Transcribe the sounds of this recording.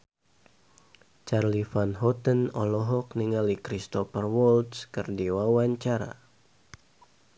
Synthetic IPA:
t͡ʃarlifanɦɔt̪ənɔlɔɦɔk̚niŋalikɾist̪ɔfərwɔlt̪skɨrdiwawaɲt͡ʃaɾa̰

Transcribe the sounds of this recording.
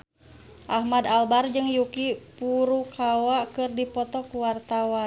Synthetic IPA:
ʔahmadalbard͡ʒɨŋjukipuɾukʰawakɨrdipɔt̪ɔkuwart̪awan

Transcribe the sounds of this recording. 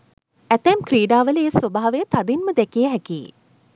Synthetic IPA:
æt̪æmkɾiːɖaːʋələeːəsobaɦaʋejət̪ad̪inməd̪ɛkijəɦɛkiː

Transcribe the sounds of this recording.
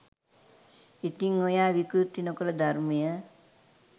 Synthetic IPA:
it̪iŋojaːʋikut̪ːinokələd̪armijə

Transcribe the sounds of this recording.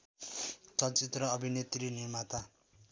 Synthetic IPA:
sʌt͡sit̪rʌːbʱinet̪rinirmat̪a

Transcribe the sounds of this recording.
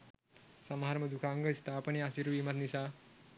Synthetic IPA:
sɐmɦaɾməd̪ukʰaŋɡəist̪apəniasiɾʋiːmat̪nisa

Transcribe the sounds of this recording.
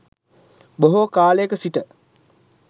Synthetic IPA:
boɦokaːləjəkəsiʈə

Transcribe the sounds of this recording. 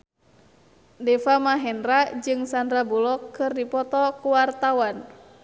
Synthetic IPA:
dɛfamaɦɛnrad͡ʒɨŋsandɾabulɔkːɨrdipɔt̪ɔkuwart̪awan

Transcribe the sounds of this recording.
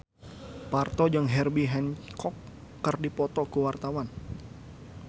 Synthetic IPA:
part̪ɔd͡ʒaŋɦɛrbiɦɛnkʰɔkː | ərdipɔt̪ɔkuwart̪awan

